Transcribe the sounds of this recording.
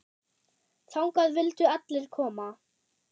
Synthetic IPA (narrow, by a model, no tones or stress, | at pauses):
θawŋkaðvɪlt̪ʏat̪lɪɾ̥kʰɔːma